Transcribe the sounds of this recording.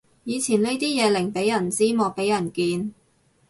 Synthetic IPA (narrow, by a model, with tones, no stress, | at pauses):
jiː˨˧t͡sʰiː˨˩nle˥jt̪iː˥jɛː˨˧lɪ˨˩ŋpe˨˥jɐ˨˩nt͡siː˥mɔː˨˧k̚pe˨˥jɐ˨˩nkiː˨˧n